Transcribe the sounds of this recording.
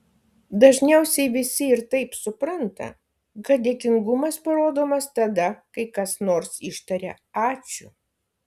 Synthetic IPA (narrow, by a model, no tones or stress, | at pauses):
d̪ɐʒʲnʲɛʊsʲɛɪʋʲɪsʲɪɪɾt̪ɐɪpsʊpɾɐnt̪ɐ̰ | ɡɐt̪̚d̪ʲeɛkʲɪŋɡʊmɐspɐɾoːd̪oːmɐst̪ɐd̪ɐkɐɪkɐsnoːɾsɪʃt̪ɐɾʲɛ̰ | ɑːt͡ʃʲʊ